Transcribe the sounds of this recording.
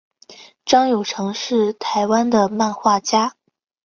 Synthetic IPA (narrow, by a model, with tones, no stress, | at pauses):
ʈ͡ʂɑ˥ŋjo˨˩ʊʈ͡ʂʰɤ˧˥ŋʂɻ̩˥˩t̪ʰa˧˥ɪwa˥nd̪ə˨ma˥˧nxwa˥˩t͡ɕja˥